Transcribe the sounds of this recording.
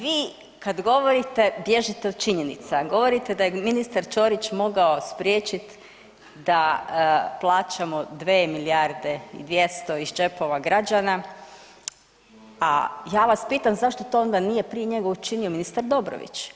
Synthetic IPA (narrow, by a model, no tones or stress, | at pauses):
ʋiː | kad̪ɡo̞ʋo̞ɾit̪e̞bje̞ʒit̪eod̪̥̚t͡ʃiɲe̞nḭt̪saɡo̞ʋo̞ɾit̪ed̪ajeminist̪aɾt͡ʃo̞ːɾit͡ʃmo̞ɡaospɾʲjeːt͡ʃit̪ | d̪a | plˠaːt͡ʃamod̪ʋeːmiliaɾd̪e̞ḭd̪ʋje̞st̪o̞izd͡ʒe̞po̞ʋaɡɾad͡ʒana | ajaːʋaspiːt̪amzaʃt̪o̞t̪o̞ːond̪anijepɾije̞ɲe̞ɡaut͡ʃinio̞minist̪aɾd̪o̞bɾo̰ʋḭt͡ʃ